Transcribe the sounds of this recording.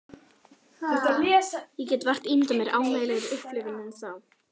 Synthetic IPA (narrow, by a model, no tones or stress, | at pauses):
θɛht̪alɛsjɛcɛːt̪var̥t̪int̪amjɛɾaːwmeːjlɛɣɪʏhplʏvɪnɛnsaw